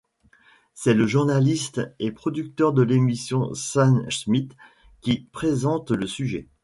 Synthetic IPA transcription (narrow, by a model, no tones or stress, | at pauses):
sɛləʒuʁnalist̪epχɔd̪yk̚t̪œʁd̪əlemisjɔ̃sansmit̪ | kʲipχezɑ̃t̪ləsyʒɛ̰